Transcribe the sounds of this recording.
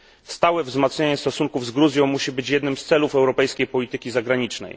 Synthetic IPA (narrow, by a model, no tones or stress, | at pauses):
st̪awɛvzmat̪sɲaɲɛst̪ɔsuŋkuvzɡɾuzʲjɔ̃w̃muɕibɘt͡ɕjɛd̪nɘmst̪sɛlufɛwɾɔpɛjskʲejpɔlʲit̪ɘkʲizaɡɾaɲit͡ʂnɛ̰j